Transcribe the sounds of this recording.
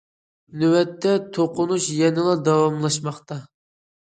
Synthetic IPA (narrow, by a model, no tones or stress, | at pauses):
nywɛt̪ʰːɛt̪ʰoqʊnuʃjɛnɪlˠɑd̪ɑwɑmlˠɑʃmɑχt̪ɑ